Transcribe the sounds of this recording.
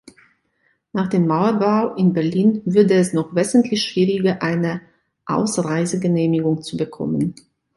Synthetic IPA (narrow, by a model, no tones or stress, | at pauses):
naːχd̥eːmːaʊɐbaʊʔɪnbɛɐliːnvʏɐdəɛsnɔχv̥ɛzn̩tʰlɪçʃv̥iːʁɪɡɐʔaɪnə | ʔa̰ʊsʁaɪzəɡəneːmɪɡʊŋt͡subəkʰɔ̰mən